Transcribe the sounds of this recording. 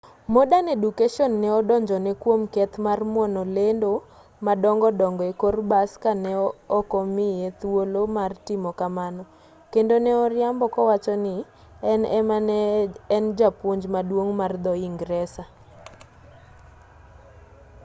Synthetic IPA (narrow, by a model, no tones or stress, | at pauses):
modanedukeʃɔnːɛɔdɔɲd͡ʒɔnɛkwomkɛt̪marmwɔnɔlendo | madɔŋɡɔdɔŋɡɔekorbaskanɛɔkɔmɪjet̪wolomartɪmɔkamanɔ | kendonɛɔɾɪambɔkɔwat͡ʃɔnɪ | ɛnɛmanɛːnd͡ʒapwoɲd͡ʒmadwoŋmard̪ɔiŋɡɾɛsa